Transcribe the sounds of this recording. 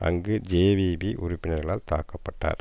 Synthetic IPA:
ɐ̰ŋɡɯd͡ʒeːʋiːbiʔʊɾʊpːɪnɐɾɣɐɭaːlt̪aːkːɐpːɐʈːa̰ːɾ

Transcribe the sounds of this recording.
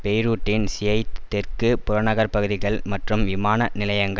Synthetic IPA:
pɛjɾuːʈːɪnsɪjɐɪt̪ːɛrkɯpʊɾɐnɐɣɐɾpɐɣɯðɪɣɐɭmɐʈrɯmʋɪmaːnɐnɪlɐjɐŋɡɐ

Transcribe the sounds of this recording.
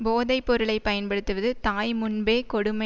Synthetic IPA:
boːðɐɪpːɔɾɯɭɐɪpɐjɐnpɐɽɯt̪ːɯʋɐðɯt̪aːjmʊnbeːkɔɽɯmɐ

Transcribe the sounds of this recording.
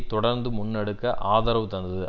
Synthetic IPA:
t̪ɔɽɐɾnd̪ɯmʊnːɐɽɯkːɐʔaːðɐɾɐʋɯt̪ɐnd̪ɐðɯ

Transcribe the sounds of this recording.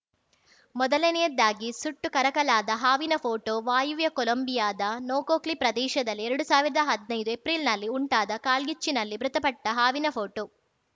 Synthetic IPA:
mɔd̪ɐlenɛjɐd̪ːaːɡisuʈːukɐɾɐkɐɭaːd̪ɐɦaːʋinɐpʰoːʈoːʋaːjuʋjɐkɔlombijaːd̪ɐnoːkoːklipɾɐd̪ɛːʃɐd̪ɐlːiɛɾɐɽusaːʋiɾɐd̪ɐɦɐd̪nɐjd̪uepɾilnɐlːiuɳʈaːd̪ɐkaːlɡit͡ʃːinɐlːibɾut̪ɐpɐʈːɐɦaːʋinɐpʰoːʈoː

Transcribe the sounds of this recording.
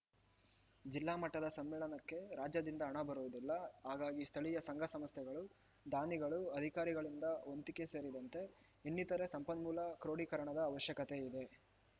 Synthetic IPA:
d͡ʒilːaːmɐʈːɐd̪ɐsɐmːiːɭɐnɐkːe̞ɾaːd͡ʒjɐd̪ind̪ɐɦːɳɐbɐɾuʋud̪ilːɐɦaːɡaːɡist̪ʰɐɭijɐsɐŋɡʱɐsɐmɐst̪jɛɡɐɭu | d̪aːniɡɐɭuɐd̪ʱikaːɾiɡɐɭind̪ɐont̪ike̞se̞ːɾid̪ɐnt̪e̞ | inːit̪ɐɾe̞sɐmpɐnmuːlɐkɾo̞ːɽikɐɾɐɳɐd̪ɐːʋɐʃjɐkɐt̪e̞id̪e̞

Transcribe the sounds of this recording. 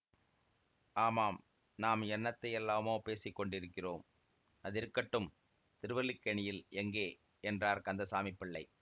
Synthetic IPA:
ʔaːmaːm | naːmɛnːɐt̪ːɐjɛlːaːmoːpeːsɪkːɔɳɖɪɾɯkːɪroːm | ɐðɪɾkːɐʈːɯm | t̪ɪɾɯʋɐlɪkːɐɳɪjɪlɛŋɡeː | ɛndraːɾkɐnd̪ɐsaːmɪpːɪɭːɐɪ

